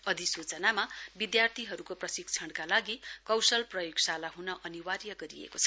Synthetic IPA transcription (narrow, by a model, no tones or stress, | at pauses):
ʌd̪isut͡sʌnamabid̪jart̪ʰiɦʌɾukoprʌsikt͡sʰʌɳɽkalaɡikʌwsʌlprʌjoɡsalaɦunʌʔʌniwarjʌɡʌɾiḛkot͡sʰʌ